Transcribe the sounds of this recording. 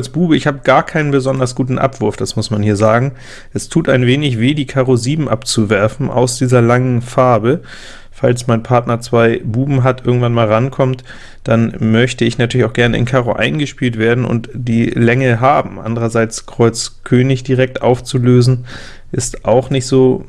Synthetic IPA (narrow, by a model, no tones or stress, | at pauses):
sb̥uːbəɪçhaːbəɡaːɐkʰaɪnənbəzɔndɐsɡ̥uːtn̩ʔa̰pv̥ʊɐfd̥asmʊsmanhiːɐzaːɡŋ̩ | ʔɛstʰuːtaɪnveːnɪçv̥eːdiːkʰaːʁoziːbm̩ʔapt͡suvɛɐfn̩ʔa̰ʊsd̥iːzɐlaŋənfaɐbə | falsmaɪnpʰaɐtnɐt͡sv̥aɪbuːbm̩ɦatʔɪɐɡŋ̩tv̥anmaːlʁankʰɔmt | d̥anmœçtəɪçnatʰyːɐlɪçaʊxɡ̥ɛɐnəɪ̰nkʰaːʁoʔa̰ɪnɡəʃpiːltv̥eːɐdn̩ʔʊ̰ntd̥iːlɛŋəɦaːbm̩ʔa̰ndəʁɐzaɪt͡skʁ̥ɔʏt͡skʰøːnɪçd̥iʁɛk̚tʔaʊft͡suløːzn̩ | ʔɪstʔaʊxnɪçtz̥oː